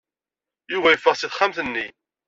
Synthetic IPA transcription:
juvæjəfːəʁsiðχamθənːi

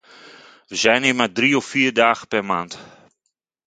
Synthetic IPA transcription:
ʋəzɛjnɪmadriɔfːiːrdaːχəpɛrmaːnt

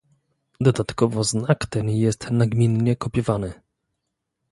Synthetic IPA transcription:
d̪ɔd̪at̪kɔvɔznakt̪ɛnjɛst̪naɡmʲinɲɛkɔpʲɛvanɘ

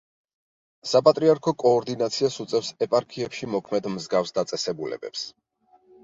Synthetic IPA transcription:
sapʼat̪ʼɾiaɾkʰɔkʼɔːɾd̪inat̪sʰiasut̪sʼɛfsɛpʼaɾkʰiɛpʃimɔkʰmɛd̪mzɡafsd̪at̪sʼɛsɛbulɛ̰bɛ̰ps

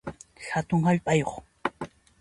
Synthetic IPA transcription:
xat̪ʊŋhaʎpʼajoχ

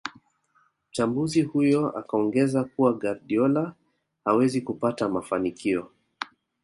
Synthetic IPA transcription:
m̩t͡ʃambuzihujɔa̰kaɔŋɡɛzakuwaɡaɾɗiɔla | hawɛzikupatamafanikiɔ

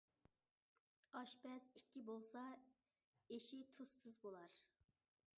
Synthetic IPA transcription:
ɑʃbɛzikʲːibolˠsɑ | eʃit̪ʰusːɨzbolˠɑɾ

